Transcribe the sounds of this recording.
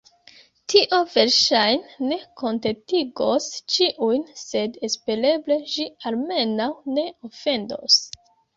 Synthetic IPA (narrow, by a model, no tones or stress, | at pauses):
tʰiʔo̞ve̞ɾʃajnːe̞ko̞ntetiɡo̞st͡ʃiʔujnse̞despe̞ɾe̞ble̞ʃialme̞nawne̞o̞fe̞ndo̞̰s